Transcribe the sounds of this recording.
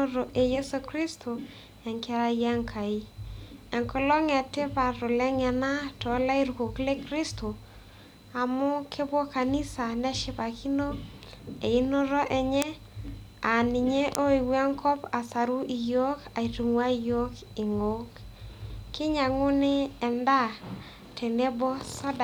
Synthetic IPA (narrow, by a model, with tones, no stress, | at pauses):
o˦ɾo˨ʔe˨jɛ˦so˨kɾi˦stʰo˨ | ɛ˨ŋka˦ɾa˦ija˦ŋkʰa˨i˦ɛ˨ŋkɔ˦lɔ˦ŋɛ˨te˦pa˨ɾʊ˨lɛ˦ŋɛ˨na˦tɔ˨˦la˦i˦ɾu˨ko˨kle˦kri˦sto˨ | a˨mʊ˦kʰe˦bwɔ˦ka˨ni˦sa˨nɛ˦ʃɪ˦pa˨ki˦no˦ | e˨i˦no˦ɾɔ˦ʔɛ˨ɲɛ˦ | a˨ni˨ɲe˦ʔo˦i˨wa˦ŋkʰɔ˦pa˨sa˨ɾu˦ʔi˨jo˦ka˨i˨tu˨ŋwa˦i˨jo˦k | ɪ˨ŋo˦k | kɪ˦ɲa˨ŋʊ˦nɪ˦ɛ˨nda˦ | tʰe˨ne˦bɔ˦sa˦da˨